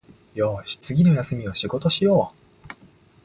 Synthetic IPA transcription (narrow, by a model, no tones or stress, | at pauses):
joːɕi̥t͡sɨɡʲino̞jasɨmʲio̞ɕiɡo̞t̪o̞ɕijo̞ː